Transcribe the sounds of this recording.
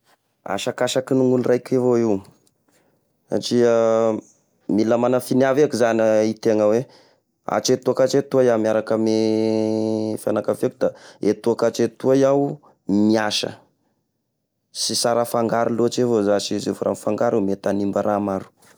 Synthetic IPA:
a̰ʃakaʃakinuŋulrajkʲevoiw | sa̰ʈ͡ʂia | milamanəfinavekuzanait̪eŋəwe | a̰t͡ʃet̪uakat͡ʃet̪uajamiaɾakəme | fa̰nakafekud̪aet̪uakat͡ʃet̪uajaw | miaʃə̰ | sisaɾəfaŋɡaɾiloat͡ʃevozaszefɾʔa̰nifaŋɡaɾimet̪animbaɾʔamaɾu̥

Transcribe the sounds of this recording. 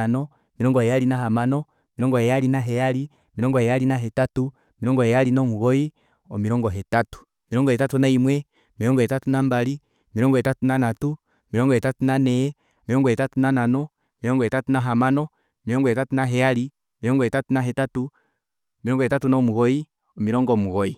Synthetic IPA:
anɔ | miɾɔŋɡɔhɛjaɾinaɦamanɔ | miɾɔŋɡɔhɛjalinaɦɛjaɾi | miɾɔŋɡɔhɛjalinaɦɛtatu | miɾɔŋɡɔhɛjalinɔmuɣɔi | ɔmiɾɔŋɡɔɦɛtatu̥ | miɾɔŋɡɔhɛtatunaimwɛ | miɾɔŋɡɔhɛtatunambali | miɾɔŋɡɔɛtatunanatu | miɾɔŋɡɔhɛtatunanɛjɛ | miɾɔŋɡɔhɛtatunananɔ | miɾɔŋɡɔhɛtatunaɦamanɔ | miɾɔŋɡɔhɛtatunaɦɛjali | miɾɔŋɡɔhɛtatunaɦɛtatu | miɾɔŋɡɔhɛtatunɔmuɣɔi | ɔmiɾɔŋɡɔmuɣɔi

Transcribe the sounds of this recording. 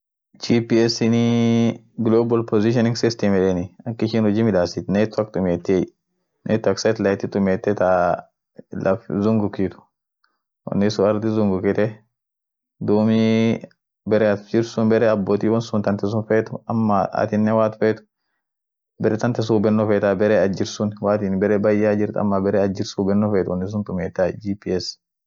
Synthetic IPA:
t͡ʃipiɛsɪni | ɡloːbɐlpɔziʃ̬ɔnɪ̃ŋɡsɪst̪ɛmɛɾɛnɪɐkːɪʃɪnhɔd͡ʒimɪᶑaːsit̪net̪ːɐkt̪ʊmeːt̪ːɪɛ | nʔḛt̪ːɐksɛt̪lɐjt̪ːɪt̪ʊmeːt̪ːɛt̪a | lɐfzʊŋɡʊkit̪ʊ̥ | wɐ̰nːɪsʊɐɾd̪ɪzʊŋɡʊkɪt̪ɛ | d̪uːmi | bɛɾɛd͡ʒɪɾsʊnbɛɾɛɐbːoːt̪iːwɔnsʊnt̪ɐnt̪ɛs̬ʊnfeːt̪ʊɐ̰mːaɐ̰t̪ɪnːɛwaːt̪ʊ̥feːt̪ʊ̥ | bɛɾɛt̪ɐnt̪ɛs̬ubɛnːɔfeːt̪abɛɾɛɐd͡ʒɪɾsʊnwaːt̪iːnbɛɾɛbɐjːaːd͡ʒɪɾt̪ɐ̰mːabɛɾɛɐd͡ʒɪɾsubɛnːɔfeːt̪ʊwɔnːɪs̬ʊnt̪ʊmeːt̪ːad͡ʒipiːɛs

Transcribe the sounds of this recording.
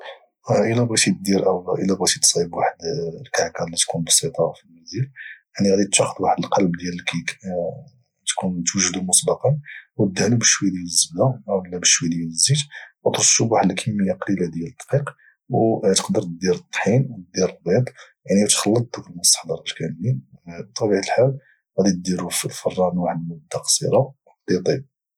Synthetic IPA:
ʔəlæbɣæt̪id̪iɾʔəwʔəlːæbɣæt̪it̪sˤɑjəbwaħəd̪lkaʕkæɾlit̪kunbɑsˤit̪ˤɑfilmæziljaʕniɣæd̪it̪ʃɑxəd̪waħəd̪əlqɑlbd̪jælkæ | t̪kunt̪wəʒd̪umʊsˤbɑqɑnw̚d̪ːhlubəʃwəjd̪jæləzːəbd̪æwlːæbəʃwid̪jælzːid̪wt̪ɾosːubwaħd̪lækʰəmːəjːæqɑlilad̪jæləd̪ˤqiq | wt̪əqd̪əɾˤt̪d̪iɾət̪ˤːħinwd̪iɾəlbid̪ˤjaʕnit̪xɑlːət̪̚d̪ukəlməst̪ə̥ħd̪ɑɾˤɑt̪kænːibt̪ˤːɑbiʕt̪əlħal | ɣæd̪it̪̚d̪iɾuflfɑrˤːɑnwaħəd̪lmʊd̪ːæqsḭɾˤɑ | d̪it̪ˤib̚

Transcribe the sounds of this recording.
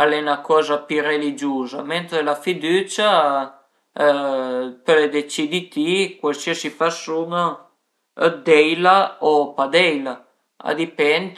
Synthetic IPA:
alɛnakɔːzapyrelid͡ʒuːzamɛnt̪ɾelafid̪yːt͡ʃa | pəled̪et͡ʃid̪it̪ikwalsiəsifasuŋa | d̪ɛjlaopad̪ɛjla | a̰d̪ipɛnt̪

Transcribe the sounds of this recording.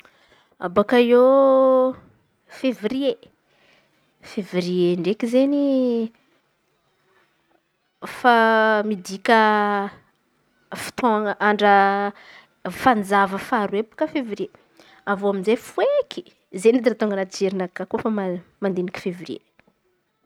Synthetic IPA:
a̰bakajo | fevirie | feviɾieɳɖ͡ʐekizeni | famid̪ikʲə | fi̥t̪oaŋʔaɳɖ͡ʐə | fand͡zavəfaɾuepu̥kəfeviɾie | avoaminzefueki̥ | zenid̪iɾat̪oŋɡənad͡ʒeɾinakːakofəmmand̪enikʲi̥feviɾiḛ

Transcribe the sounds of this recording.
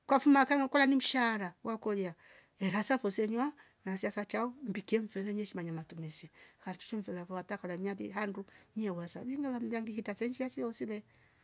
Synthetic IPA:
kwafumakaŋkɔlanim̩ʃaɾawʔakɔja | ɛɾasafɔsɛɲwa | nasiasat͡ʃaumbikiɛɱfɛlɛɲɛʃimaɲamatumisɛkaɾit͡ʃu̥t͡ʃɔɱfɛlavɔwatakalaɲaðḭɦanduɲiɛwasaβɛŋɡalam̩diaŋɡihitasɛɲd͡ʒiasiɔsilɛ

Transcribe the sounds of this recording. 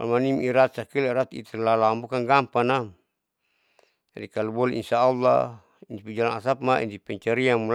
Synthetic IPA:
almanimiɾat̪̚sakiliɾat̪ḭt̪ɛlalambukaŋɡampana | d͡ʒadikalubɔlɛʔinsaːlːɑ̰ | inipid͡ʒalaŋasap̚maḭnt̪ipɛɲt͡ʃaɾiamul

